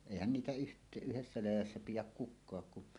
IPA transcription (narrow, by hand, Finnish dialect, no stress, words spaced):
eˑihæn niːtæ yht yhesːæ læjæsːæ pijæk kukˑɑːk kun